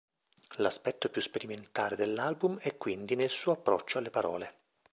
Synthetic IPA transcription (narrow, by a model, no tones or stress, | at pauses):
laspɛt̪ːopjuspeɾiment̪aːɾed̪elːalbumɛkːwind̪inelsuːoapːɾɔ̰t͡ʃːoalːepaɾɔ̰ːle